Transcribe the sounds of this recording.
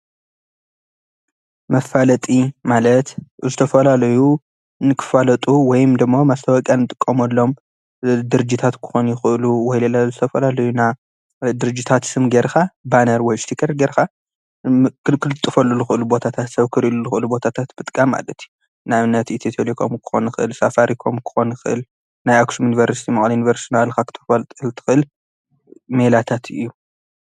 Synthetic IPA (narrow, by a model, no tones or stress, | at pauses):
mɐfalɐt̪ʼimalɐt̪zɨt̪ʰɐfɐlalɐju | nɨkʰɨ̥falɐt̪ʼuwɔjmd̪ɨmːamast̪ʰɐwɐkʼanɨt̪ʼɨkʼːɐmɐlːo̞m | d̪ɨɾɨd͡ʒit̪ʰat̪kʰɨ̥xonjɪxʔluwɔjlɐlazɨt̪ʰɐfɐlalɐjuna | d̪ɨɾɨd͡ʒit̪ʰat̪sɨmɡeɾxabanɐɾwɔjst̪ʰikʰɐɾɡeɾxa | kɨkʰɨlɨt̪ʼːɨfɐlːulɨxɨʔɨlubo̞t̪ʰat̪ʰat̪sɐβkʰɨɾiluzɨxɨʔlubo̞t̪ʰat̪ʰat̪b̥ɨt̪ʼkʼamːa̰lɐt̪ʰiju | naβnɐt̪it̪ʰet̪ʰelikʰo̰mkʰɨ̥xo̞̰nɨxɨʔɨlsafaɾikʰo̞mkʰɨ̥xo̞nɨxɨʔɨ̰l | najaksomjunivɐɾsi̥t̪ʰimɐʔʼlijunivɐɾsnalkʰakʰɨ̥t̪ʰɐ̥fɐlt̪ʼɨlt̪ʰɨ̥xɨɨl | melat̪ʰat̪ɨjːu